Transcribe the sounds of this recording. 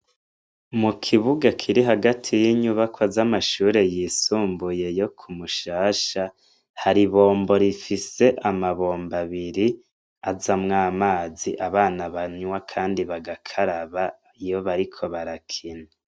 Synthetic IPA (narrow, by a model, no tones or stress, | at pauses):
mukʰiβuɡakʰiɾiɦaɡatʰijiɲuβakwazamaʃuːɾe̞jiːsuːmbuje̞jo̞kʰumuʃaːʃa | haɾiβo̞ːmbo̞ɾifise̞ʔamaβo̞ːmbaβiɾi | azamŋaːmaːziʔaβaːnaβaɲwakʰaːndiβaɡakʰaɾaβa | ijoβaɾikʰo̞βaɾakʰina